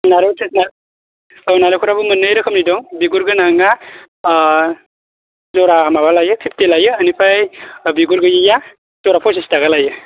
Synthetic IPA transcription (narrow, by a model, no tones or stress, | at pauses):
naɾɯsesna | ɔnaɾɯkʰɔɾabɯmɯnɯjɾɯkʰɯmnidɔŋbiɡuɾɡɯnaŋa | zɔɾaːmabalajɯkʰip̚telajɯːnipʰajbiɡuɾɡɯjija | z̥ɔɾapʰɔsestaɡalajɯ